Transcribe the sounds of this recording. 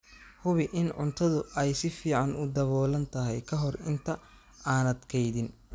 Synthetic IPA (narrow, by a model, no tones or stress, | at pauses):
hʊβɪʔɪnʕʊnt̪ʰɐðʊɛjsɪfiːʕɑnʊd̪ɐβɔːlɐnt̪ʰɐɦɛjkʰɐɦɔrɪnt̪ʰɐ | aːnɐd̪kʰɛjðɪn